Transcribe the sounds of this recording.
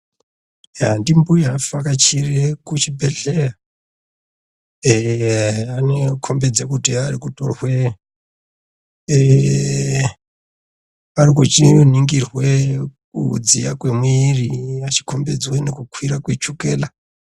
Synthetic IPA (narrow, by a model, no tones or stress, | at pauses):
jandimbujafakat͡ʃirekut͡ʃibʱe̞ɮera | anekʰo̞mbed͡zekutiaɾikutorwe | arikut͡ʃiniŋɡirwek̚ud͡zijakwemwiriat͡ʃi̥ko̞mbe̞d͡zwenekukwiɾakwet͡ʃuke̞ːla